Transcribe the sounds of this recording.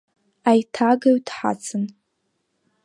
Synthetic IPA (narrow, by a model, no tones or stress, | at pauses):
ajtʰaɡaɥtʰħa̰t͡sʰɨn